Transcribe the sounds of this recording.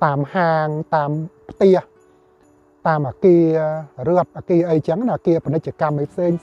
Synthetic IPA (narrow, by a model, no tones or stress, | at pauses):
t̪aːmhaːŋt̪aːmpʰt̪ɛəh | t̪aːmʔaːkiərɨəp̪̚ʔaːkiəʔəjt͡ɕəŋnaʔkiəpənɨc̚t͡ɕə̆kamʔəjpʰseːŋ